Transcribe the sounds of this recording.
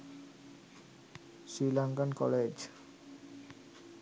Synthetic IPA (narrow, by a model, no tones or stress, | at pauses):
sɾilaŋkankɔled͡ʑ